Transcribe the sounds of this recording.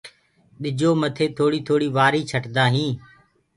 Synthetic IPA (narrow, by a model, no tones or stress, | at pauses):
ɗɪd͡ʒoːmət̪ʰeːt̪ʰoːɽiːt̪ʰoːɽiːʋaːɾiːt͡ʃʰəʈd̪aːɦĩː